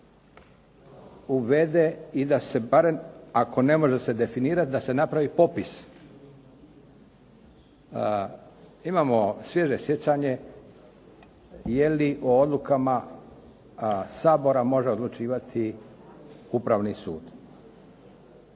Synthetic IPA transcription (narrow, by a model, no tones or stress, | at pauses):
uʋed̪e̞id̪ase̞baɾemakʰo̞ne̞mo̞ʒe̞se̞d̪e̞finiːɾat̪̚d̪ase̞napɾaʋipo̞pis | imaːmo̞sʋje̞ʒesje̞t͡ɕaɲe̞ | je̞liʔood̪lˠukama | saːbo̞ɾamo̞ʒe̞o̞d̪lˠut͡ʃiːʋat̪ʰi | upɾaʋnisṵːd̪̥